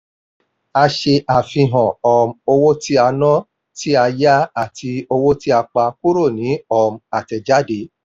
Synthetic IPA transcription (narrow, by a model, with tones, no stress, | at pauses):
a˧ʃe˧ʔa˨fĩ˧ɦɔ̃˨ɔ˧˨mo˧wo˦ti˦a˧nɔ̃˦ | ti˦a˧ja˦a˦˨tʰi˧o˧wo˦ti˦a˧k͡pa˧ku˦ɾo˦˨nĩ˨˦ɔ˧ma˨tɛ˧d͡ʒa˦de˨˦